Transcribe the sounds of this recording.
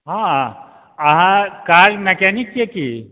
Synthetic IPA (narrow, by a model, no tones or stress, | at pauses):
ɦã | ɐɦãkaːɾmekɛːnɪkjeki